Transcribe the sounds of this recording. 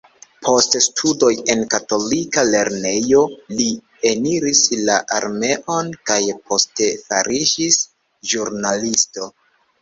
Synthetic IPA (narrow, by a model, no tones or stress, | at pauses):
pʰo̞ststʰudo̞je̞nkato̞likale̞ɾne̞jo̞li | eniɾislaʔaɾme̞ʔo̞nkajpʰo̞stefa̰ɾiʃis | ʒuɾnalisto̞